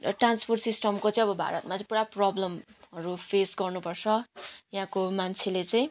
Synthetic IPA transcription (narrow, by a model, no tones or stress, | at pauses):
rʌʈranspʰorʈsisʈʌmkot͡sʌĩj̃ʌbʌbʱa̰ɾʌt̪mat͡sʌĩpuɽaprʌblʌmʌɾupʰesɡʌrnupʌrt͡sʰʌjɦãkomant͡sʰelet͡sʌj̃